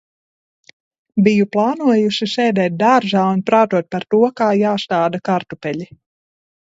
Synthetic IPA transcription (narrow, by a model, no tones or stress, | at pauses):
bijuplˠɑːnuɔjuʃisɛːd̪ɛːt̪̚d̪aɾʒaːunpɾaːt̪uɔt̪̚paɾt̪uɔkaːjaːst̪aːd̪akaɾt̪upɛʎʲi